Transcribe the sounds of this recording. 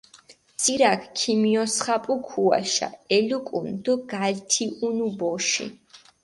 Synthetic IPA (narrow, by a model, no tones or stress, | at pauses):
t̪sʰʼiɾakʰkʰimiɔsχapʼukʰua̰ʃa̰ɛlukʼund̪ɔɡalt̪ʰiʔunubɔʃḭ